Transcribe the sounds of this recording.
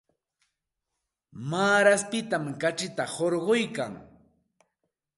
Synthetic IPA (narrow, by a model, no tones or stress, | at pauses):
maːɾaspɪt̪amkat͡ʃɪt̪ahoɾɢojka̰ŋ